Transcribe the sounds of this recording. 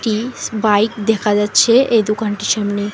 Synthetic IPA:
ʈibajkd̪ɛkʰad͡ʑatːɕʰeed̪okanʈiʃamni

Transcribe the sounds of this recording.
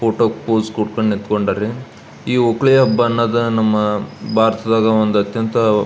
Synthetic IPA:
poːʈoːkpoːskuɽkɐɳɖnit̪koɳɖaːɾe | iːokɭejɐɦɐbːɐːnːɐd̪ɐnɐmːɐbʱaːɾɐt̪ɐd̪aːɡɐond̪ɐt̪jɐnt̪ɐ

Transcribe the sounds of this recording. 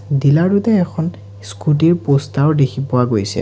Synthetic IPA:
dilaɹɹutɛːkʰɔn | skut̬iɹpɔstawdekʰipʊwaɡojsɛ̰

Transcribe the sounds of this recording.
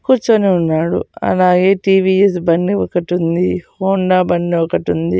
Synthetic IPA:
kuːɾt͡ʃoneːunːaːɽṵɐ̰laːɡe̞ːʈiːʋies̬bɐɳːiɔkɐʈund̪ihoːɳɖaːbɐɳːiɔkɐʈund̪i

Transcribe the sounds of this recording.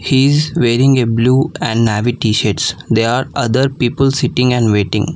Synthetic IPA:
hiɪzʋeːɾɪ̃ŋɡebluːɛ̃ɳɖnæʋiʈiːʃəɾʈsd̪eːɾaːɾʔʌd̪əɾpiːpəlsɪʈɪ̃ŋɡɛ̃ɳɖʋeːʈɪ̰̃ŋɡ

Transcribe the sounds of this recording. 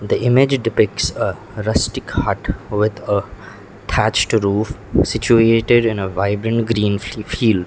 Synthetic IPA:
d̪iɪmɪd͡ʒɖɪpɪk̚sə | ɾʌsʈɪkhʌʈʋɪd̪ə | t̪ʰæt͡ʃʈɾuːfsɪt͡ʃueːʈɪɖɪ̃nəʋaɪbɾə̃ɳʈɡɾĩːnfiːlɖ

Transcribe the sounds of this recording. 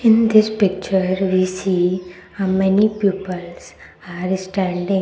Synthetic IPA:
ɪ̃nd̪ɪspɪk̚t͡ʃəɾʋisiː | amɛnipjuːpəls | aɾsʈæ̃ɳɖɪ̃

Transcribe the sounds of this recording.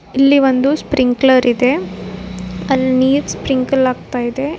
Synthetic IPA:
ilːiʋond̪uspɾiŋklɐɾʔid̪e̞ | ɐlːniːɾspɾiŋɡkɐlaːɡt̪aːjid̪e̞

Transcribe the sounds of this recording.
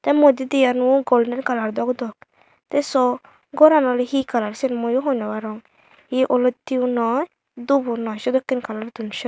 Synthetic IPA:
t̪ɛmod̪id̪ijanuɡolɖɛnkalaɾd̪ɔkd̪ɔk | t̪ɛsɔ | ɡɔɾanɔlɦikalaɾsenmojuɦɔnɔwaɾɔŋ | hiʔolɔt̪ːiwnɔ | d̪ubunɔʃɔd̪ɔkːinkalaɾd̪unʃɔ

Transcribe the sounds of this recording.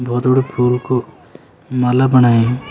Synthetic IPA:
bʱɔːt̪oɽepʰuːlko | malabənaːe

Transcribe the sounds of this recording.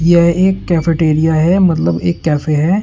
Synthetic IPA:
jeɦeːkːɛːfeʈeːɾijaɦɛmɐt̪ləbḛːkːɛːfeɦɛː

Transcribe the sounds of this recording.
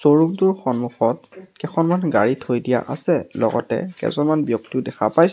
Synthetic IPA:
soɹumtʊɹxɔnmuxɔt̚kɛxʰɔnmanɡa̰ɹitʰojdija̰ʔa̰sɛlɔ̰ɡɔ̰tɛ̰kɛ̰zɔnmanbjɔktiʊdɛxʰapajs

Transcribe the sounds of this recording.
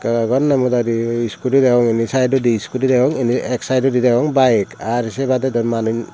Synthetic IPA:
kaɡɔnːamudadiiskuɾidawɔŋinisajdɔdiːskuɾidaɔŋinieksajdɔdidawɔŋbajkaɾisebadedɔmanɯjn

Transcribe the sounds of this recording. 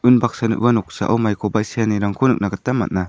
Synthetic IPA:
ɯnbak̚sanɯ̰ʔbanɔk̚sa̰ʔa̰wmajkʰɔbajsijaniɾaŋkʰunɯk̚naɡat̪ːamːa̰t̚na

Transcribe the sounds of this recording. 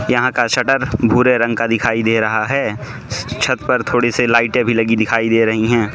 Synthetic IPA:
jɐɦãkaʃɐʈəɾbʱuːɾeɾɐ̃ŋɡkad̪ɪkʰaːid̪eːɾɐɦaɦɛː | t͡ʃʰɐt̪pəɾt̪ʰoːɽeselaːɪʈẽbʱilɐɡid̪ɪkʰaːid̪eːɾɐɦiɦɛ̃ː

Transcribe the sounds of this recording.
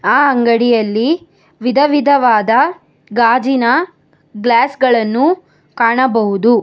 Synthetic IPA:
aːɐŋɡɐɽijɐlːi | ʋid̪ʱɐʋid̪ʱɐʋaːd̪ɐ | ɡaːd͡ʒinɐ | ɡlaːsɡɐɭɐnːu | kaːɳɐbɐɦud̪u

